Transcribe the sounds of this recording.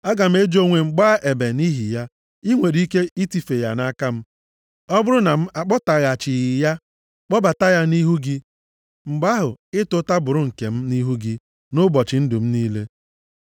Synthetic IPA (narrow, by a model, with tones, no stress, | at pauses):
a˦ɡa˨m̩˦e˦d͡ʒo˦ŋʷe˨ŋ͡m̩˨ɡ͡ba˦ʔe˨be˨ni˦ɦi˨ja˦ | i˦ŋʷe˨ɾi˦ke˦i˦ti˨fe˨ja˨na˦ka˦m̩˦ | ɔ˦bʊ˦ɾʊ˦na˨m̩˦ʔa˨k͡pɔ˦ta˨ɣa˨t͡ʃɪ˨ɣɪ˨ja˦ | k͡pɔ˦ba˨ta˦ja˦ni˦ɦu˦ɡi˦ | ŋ͡m̩˨ɡ͡ba˦ɦʊ˨ɪ˦tʊ˦ta˦bʊ˨ɾʊ˦ŋ̩˨ke˨m̩˦ni˦ɦu˦ɡi˦ | nʊ˦bɔ˨t͡ʃɪ˨n̩˦dʊ˨m̩˦niː˦le˦